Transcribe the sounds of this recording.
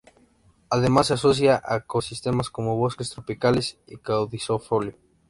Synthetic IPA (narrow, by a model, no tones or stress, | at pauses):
aðemasːeasos̬jaʔaekosist̪e̞masko̞mo̞β̞o̞skest̪ɾopikalesikawðisofoljo